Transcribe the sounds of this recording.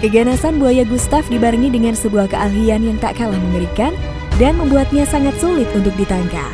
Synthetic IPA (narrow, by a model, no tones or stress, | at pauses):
kəɡanasanbuajaɡust̪afdibarŋidəŋansəbuahkəʔaɦianjaŋt̪a̰ʔkalahməməɾikan | danməmbuat̪̚ɲasaŋat̪̚sulɪt̪̚unt̪ʊk̚dit̪aŋka̰